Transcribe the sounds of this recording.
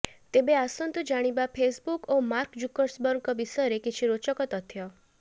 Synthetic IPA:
t̪ebeasɔnt̪ud͡ʒaɽ̃ibapʰesbukomaɾkd͡ʒukɔɾsbɔɾukɔbisɔɾekit͡ʃʰiɾot͡ʃɔkɔt̪ɔt̪ʰjɔ

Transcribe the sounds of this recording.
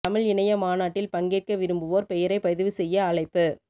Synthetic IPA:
t̪ɐmɐɭɪnɐjɐmaːnaːʈːɪlpɐŋɡeːʈ̚kɐʋɪɾɯmbɯʋoːɾpɛjɐɾɐɪpɐðɪʋɯsɛjːɐːɭɐɪpːɯ

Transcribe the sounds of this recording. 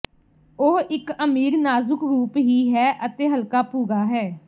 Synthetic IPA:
oːɪkəmiːɾnaːzʊkɾuːpɦiːɦɛːʔət̪eːɦəlkaːpuːɡaːɦɛː

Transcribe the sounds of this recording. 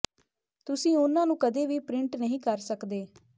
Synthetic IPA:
t̪ʊsĩːʊnãːnũːkəd̪eːʋiːpɾɪɳʈnəɦĩːkəɾsəkd̪eː

